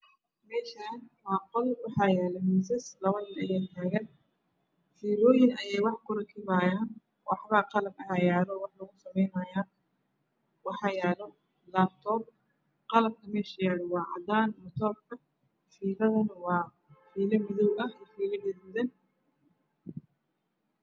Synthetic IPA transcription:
mɛːʃaːnwɑːqɔlwɑħɑːjɛːlɛmiːsɐslɐβɐnɪnɐjɛːt̪ʰaːɣɐn | fiːlɔːjɪnɐjɛjwɑħkʰʊɾɐkʰɪβaːjaːn | wɑħβɐqɑlɐbɐajaːlɔwɑħlɐɣʊsɐmɛjnɐjaː | wɑħɑːjɛːlɔ | laːb̚t̪ʰɔːb̚ | qɑlɐb̚kʰɐmɛːʃɐjaːɽɔwɑːʕɑ̰d̪aːnmʊt̪ʰɔːb̚kʰɐ | fiːlɐðɐnwɑː | fiːlɐmɪðɔwɐɛfiːlɐmɪðmðɐn

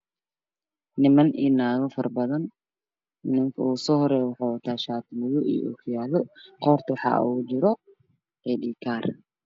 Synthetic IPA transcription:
nɪmɐnḭːnaːɣɐfɐrbɐðɐn | nɪŋkʰɐuːsɔːhɔɾɛːjwɑħaːwɐt̪ʰaːʃaːt̪ʰmɪjʊʔḭjʔṵːkʰʊjaːlɔqɔːrt̪ʰɐwɑħɑ̰ːuːd͡ʒɪɾɔ | ɛːɗiːkʰaːr

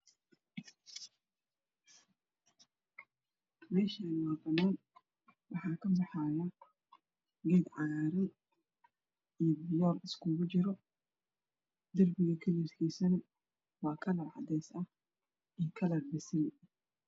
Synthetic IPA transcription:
mɛːʃaːnwɑbɐnaːn | wɑħɑːkʰɐbɑħɑːjɐ | ɡɛːd̪ʕɑːɾɪ | ijbɪjɔːlɪskʰuɣʊt͡ʃɪɾɔ | d̪ɐrbɪɣɐkʰɐlirkʰiːsɐnɐ | wɑːkʰɐlɐrʕɑ̰d̪ɛjsɐ | ijkʰɐlɐrbɪsɪl

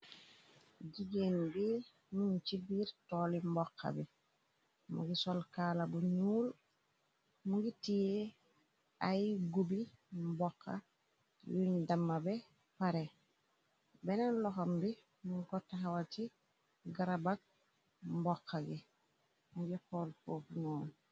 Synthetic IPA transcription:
ɟiɡenbi | nunt͡ʃibiːɾtɔːlimbɔkʰːa̰bi | mṵɡisɔlkaːlabuɲuːl | muɡitije | ajɡubimbɔkʰːa̰ | jundamːabɛ | paɾe | bɛnanlɔxɔmbi | muŋkɔtaxawati | ɡaɾabak̚ | mbɔkʰːaɡi | muɡikoːlpoːfuɲɔːl

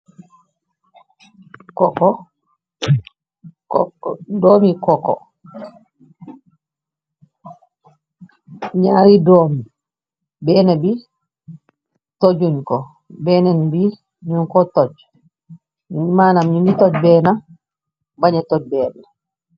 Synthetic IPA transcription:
kɔkɔ | kdoːmikɔkɔ̰ | ɲaːɾidomi | bɛnabi | tod͡ʒunkɔ | bɛnanbi | ɲunkɔtɔd͡ʒ | nmanamɲunitɔd͡ʒbɛːna | baɲɛtɔd͡ʒ̚bɛːna

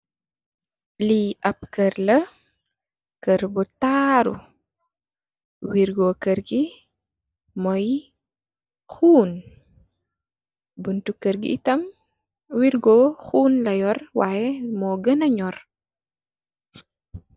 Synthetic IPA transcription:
liʔɐp̚kəɾlɐ | kəɾbutaɾṵ | wiɾɡoːkəɾɡi | mɔj | xuːn | buntukəɾɡḭːtɐm | wiɾɡɔxuːnlɐjɔrwaːjɛmɔɡənɐɲɔr

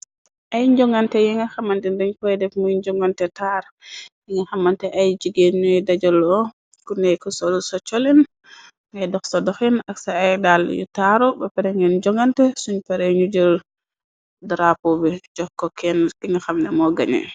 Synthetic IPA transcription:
ʔajɲd͡ʒɔŋɡantɛjiŋaxamantɛndiɲkɔjɛdɛfmujɲd͡ʒɔŋɡantɛtaɾ | jiŋɡaxamantɛʔajd͡ʒiɡeɲuɛdad͡ʒɔlɔ | kunɛjkɔsɔlsɔt͡ʃɔlin | ŋɛjdɔxsɔdɔxɛnaksaajdaljṵtaɾɔbɛpɛɾɛŋɛnd͡ʒɔŋɡantɛsuɲpɛɾɛɲud͡ʒəl | dɾapobɛd͡ʒɔkːɔkɛnkiŋɡaxamnɛmɔɡaɲɛ̰

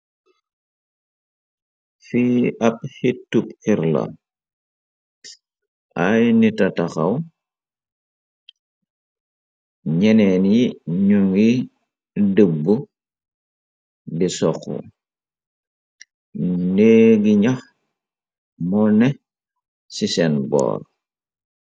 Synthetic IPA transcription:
fiɐp̚hitːupiɾla̰ | ʔajnitɐtaxɐ̰w | ɲɛnɛnjiɲuŋɡi | dəbːu | bisɔxṵ | neɡiɲɐx | mɔnɛ | sisɛnbɔ̰ːɾ

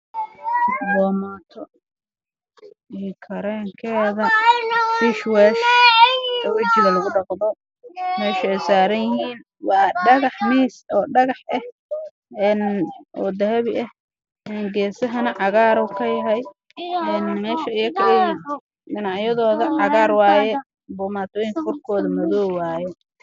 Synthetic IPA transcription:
bɔːmat̪ʰɔ | iːkʰɐɾɛːŋkʰɛːðɐbɪʃwɛːs | ɔwɐt͡ʃɪɣɐlɐɣʊɖɑqd̪ɔ | mɛːʃʊɛjsaːɾɐnjɪɦiːn | wɑːɖɑɣɑħmiːsɔːɖɐɣɑħʔɛh | ɛːnʔɔːd̪ɐɦɐβɪʔɐh | ɛːnɡɛːsɐɦɐnɐʕɑɣaːɾʊkʰɐjɐɦɛj | ʔɛnmɛːʃɐɪjɐkʰɐlɛjin | ɖɪnɑʕjɐðɔːðɐʕɑɣaːrwaːjɛ | bɔːmaːt̪ʰɔːjɪŋkɐkʊrkʰɔːðɐmɐðɔːwaːjɛ

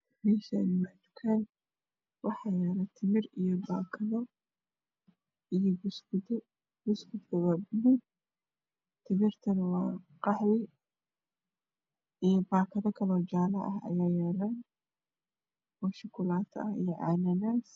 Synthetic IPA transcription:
miʃanmat͡ʃ̪ʊ̥kʰɐn | wɑħɑjɛːlɐt̪ʰɪmɪrijɔbaːkʰɐðɔ | ijɔbs | bʊskʰʊdɐwaːbʊmɪd̪ | t̪ʰɪmɪrt̪ʰɐnɐwɑːqɑħwɪ | ʔijɔbaːkʰɐðɐkʰɐlɔːt͡ʃaːlɐʔɐɦɐ̰jaːjɛːlan | ɔːʃɪkʰʊlaːt̪ʰɐhḭjɔʕɑ̰ːnɐnaːs

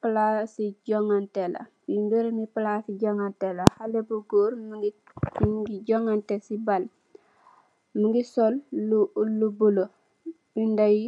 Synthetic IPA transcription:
plasiɟɔŋantela̰ | bimbiɾmiplasiɟoŋantelahalebuɡoːɾmɡ | ɡiɟoŋantesibal | muŋɡisɔlːulːubulo | bindaji

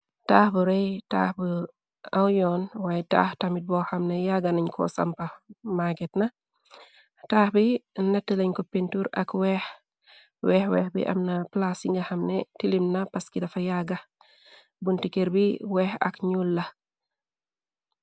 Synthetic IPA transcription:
taːhbuɾɛjta̰ːhbə | awjɔnwaːjɛta̰ːhtamit̚bɔxamnejaɡaniɲkʰɔ̰sa̰mpɐmaɡɛtnɐ | taːhbinɐtːəlɐɲkɔpintuɾɐ̰kwɛh | wɛːhwɛ̰ːhbḭʔɐ̰mnɐplasiŋɡɐxamnetilimnɐpɐskidɐfɐjaɡɐ | buntikeɾbiwɛhɐ̰kɲulːɐ

